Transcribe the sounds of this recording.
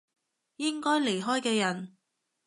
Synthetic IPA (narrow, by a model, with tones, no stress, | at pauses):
jɪ˥ŋkɔː˥jle˨˩jɦɔː˥jkɛː˧jɐ˨˩n